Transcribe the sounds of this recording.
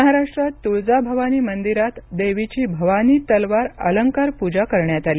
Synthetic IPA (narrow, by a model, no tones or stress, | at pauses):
ɦaɾaʂʈɾat̪ːuɭd͡zabʱəʋaniːmənd̪iɾat̪d̪eʋit͡ɕiːbʱəʋaniːt̪əlʋaɾə̰ləŋkaɾpud͡ʑakəɾɳjat̪aliː